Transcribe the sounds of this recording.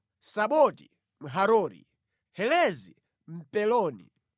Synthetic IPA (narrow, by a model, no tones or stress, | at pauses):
saɓɔti | m̩ɦaɾɔːɾḭ | hɛlɛzi | m̩pɛlɔːnḭ